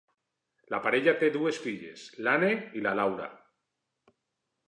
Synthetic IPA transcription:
lapaɾeʎat̪eðuesfiʎḛslaneilalawɾa̰

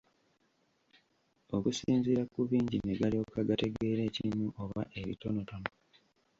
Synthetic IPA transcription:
o̞kusiːnziɾakuβiːɲɟineɡalio̞kaɡate̞ɡe̞ːɾe̞ːcimuʔoβaʔe̞βḭto̞no̞tono

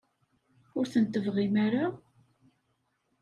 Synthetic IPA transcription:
ʊɾθənt̪əvʁimaɾa

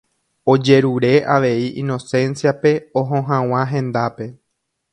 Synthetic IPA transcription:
o̞d͡ʒe̞ɾuɾe̞ʔaʋe̞iʔĩno̞sẽ̞nsjape̞oɦõɦãw̃ãɦẽ̞nd̪ape̞

